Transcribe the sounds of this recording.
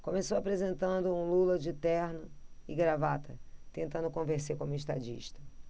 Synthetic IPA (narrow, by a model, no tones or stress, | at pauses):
kõmesowapɾezẽnt̪ɐ̃nd̪ʊũlulɐd͡ʒɪt̪ɛɾnʊɪɡɾavat̪ɐt̪ẽnt̪ɐ̃nd̪ʊkõveɾsekõmʊiʃt̪ad͡ʒḭʃt̪ɐ